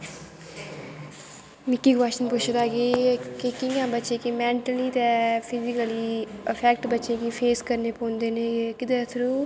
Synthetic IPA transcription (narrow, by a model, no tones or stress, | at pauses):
mɪkːiːɡaːʃənpʊt͡ʃʰəd̪aːɡeːkɪkɪŋãːbəːʃeːkimɛ̃ːɳʈəliːt̪ɛ̃ːpʰɪzɪkəliːəpʰɛːkʈbətːʃeːkipʰeːskəɾneːpɔ̃ːnd̪eːneːkɪd̪eːt̪ʰɾuː